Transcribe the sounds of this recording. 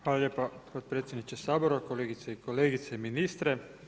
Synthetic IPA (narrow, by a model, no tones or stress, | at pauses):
xʋaːlaʎʲeːpapot̪̚pɾet̪sjed̪nit͡ʃesaːboɾakoleɡit̪seikoleːɡit̪seiminiːst̪ɾe